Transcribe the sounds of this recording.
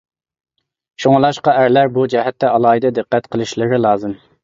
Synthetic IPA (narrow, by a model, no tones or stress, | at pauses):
ʃoŋlˠɑʃqɑæɾlæɾbud͡ʒɛɦɛt̪ːɛɑlˠɑːid̪ɨd̪ɨqːɛt̪qʰəlˠɨʃlˠɨɾɪlˠɑːzɨm